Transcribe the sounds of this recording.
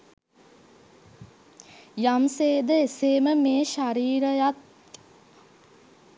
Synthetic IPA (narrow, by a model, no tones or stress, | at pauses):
jamseːd̪əeseːməmeːʃaɾiːɾəjat̪̚